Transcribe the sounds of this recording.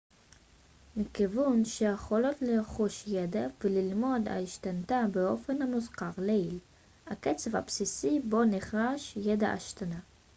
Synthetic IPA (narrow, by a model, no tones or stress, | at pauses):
mikivunʃeaχolevleʁχuʃjed̪avelilmo̞d̪a̰iʃt̪ant̪abeo̞fe̞nhamuzqaʁleil | haket͡seva̰psisibo̞niχʁaʃjed̪aʔa̰ʃt̪ana